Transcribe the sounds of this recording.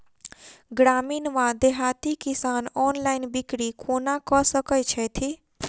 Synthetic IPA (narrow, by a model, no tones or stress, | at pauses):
ɡɾaːmiːnʋãd̪eɦat̪ikisaːnɔːnlaɪnbikɽikʰonakɔsəkəjt͡ʃʰɛt̪ʰi